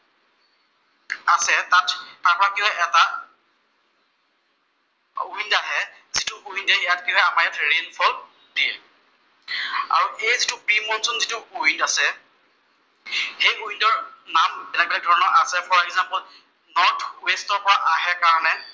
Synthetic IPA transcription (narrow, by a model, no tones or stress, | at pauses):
asɛtatːaɹpɔɹakiɔ̃ɛʔɛta | oindaɦɛ | zitʊʔoindɛɛjatkĩɦɛamaɹjatɹenpʰɔl | diɛ̰ | a̰ɹuʔejzitʊpimɔnsɔnzitʊoindasɛ | hejuindɔɹnambɛlak̚bɛlak̚dʱɔɹɔnɔɹʔasɛpʰɔɹɛɡzampɔl | nɔɹtʰwestɔɹpɔɹaʔaɦɛkaɹɔnɛ